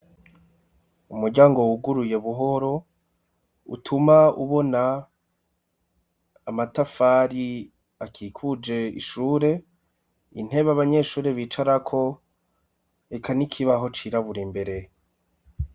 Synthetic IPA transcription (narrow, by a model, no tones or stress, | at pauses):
umuɾɟaːŋɡo̞wuɡuɾuje̞βuɦo̞ɾo̞ | ṵtʰumauβo̞na | matafaɾi | akʰikʰud͡ʒe̞ḭʃuːɾe̞ | ḭn̥he̞βaβaɲe̞ʃuːɾeβiːt͡ʃaɾakʰo̞ | ekanikʰiβaɦo̞t͡ʃiɾaβuɾimbe̞ɾe̞